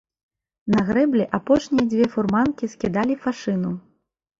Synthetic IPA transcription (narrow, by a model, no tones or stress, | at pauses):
nɐɣɾɛblʲɛʔapɔʂnʲijɐd͡zʲvʲɛfurmankʲiskʲid̪alʲifaʂɨnu